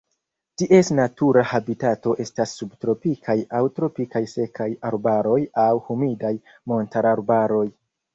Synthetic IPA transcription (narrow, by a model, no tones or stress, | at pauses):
tiʔe̞snatuɾahabitato̞ʔe̞stasːubtɾo̞pikʰajawtɾo̞pikajse̞kʰajaɾbaɾo̞jawhumidaj | mo̞ntaɾaɾbaɾo̞j